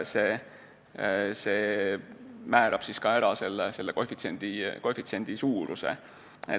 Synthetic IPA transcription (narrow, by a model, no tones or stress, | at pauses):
seː | se̞ː | mæːɾɑb̥siskɑeɾɑse̞lːese̞lːeko̞fit̪senʲd̪̥iko̞fit̪se̞nʲd̪̥isuːɾʔṵsḛ | e